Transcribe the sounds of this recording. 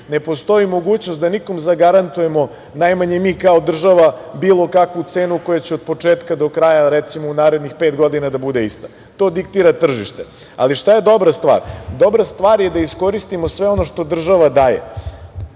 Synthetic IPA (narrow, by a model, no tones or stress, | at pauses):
nepo̞st̪o̞imo̞ɡuːt͡ɕno̞st̪d̪aniko̞mzaɡaɾant̪uje̞mo̞ | najmaɲemiːkao̞d̪r̩ʒaʋabiːlˠo̞kakʋut̪se̞ːnuko̞jat͡ɕɛod̪̚po̞t͡ʂeːt̪kad̪o̞kɾajaɾɛt̪simounaːɾe̞d̪nixpeːt̪ɡo̞d̪inad̪abud̪eist̪a | t̪o̞ːd̪ik̚t̪iːɾat̪r̩ʒiʃt̪e | a̰liʃt̪ajed̪o̞bɾast̪ʋa̰ːɾd̪o̞bɾast̪ʋaːɾjed̪aisko̞ɾist̪imosʋe̞o̞no̞ʃt̪o̞d̪r̩ʒaʋad̪aːjḛ